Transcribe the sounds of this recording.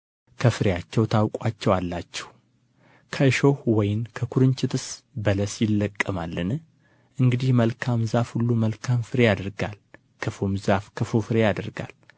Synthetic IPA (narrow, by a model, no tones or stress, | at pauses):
kʰəfɨɾejat͡ʃːɛwt̪ʰawkʼwat͡ʃːɛwalːat͡ʃːɛ̥h | kʰəɨʃo̞hwɔjɪnkʰəkʰuɾɨɲt͡ʃɪt̪ʰɨsbələsjɪlːəkʼːəmalːɨn | ʔɨŋɡɨd̪ihməlkʰamzafhulːuməlkʰamfɨɾejad̪əɾɡal | kʰɨfomzafkʰɨfofɨɾejad̪əɾɡa̰l